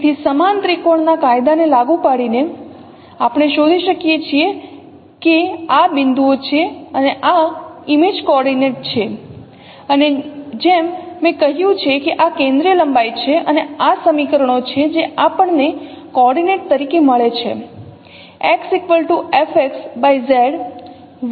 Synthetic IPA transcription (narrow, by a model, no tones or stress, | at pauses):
t̪ʰisəmant̪ɾikoɳnakajd̪anelaɡũpaɽine | apɳ̃eʃod̪ʱiʃəkijet͡ʃʰie | keabɪnd̪uot͡ʃʰeəneʔaimed͡ʒkɔɔɾɖineʈ̚t͡ʃʰe | əned͡ʒemːɛ̃kəɦjũt͡ʃʰekeʔakẽnd̪ɾijələmbajt͡ʃʰeʔəneasəmikəɾəɳot͡ʃʰed͡ʒeapəɳne | kɔɾɖineʈ̚t̪əɾikeməɭet͡ʃʰḛ | ɛksekʋəlʈuefeksbajzɛɖ